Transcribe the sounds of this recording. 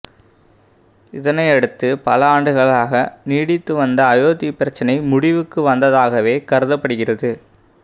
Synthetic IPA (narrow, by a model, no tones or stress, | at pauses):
ɪðɐnɐɪɐɽɯt̪ːɯpɐlɐaːɳɖɯɣɐɭaːɣɐniːɽɪt̪ːɯʋɐnd̪ɐːjoːt̪ipːɪɾɐt͡ʃːɐnɐɪmʊɽɪʋɯkːɯʋɐnd̪ɐðaːɣɐʋeːkɐɾɯðɐpːɐɽɯɣɪrɐðɯ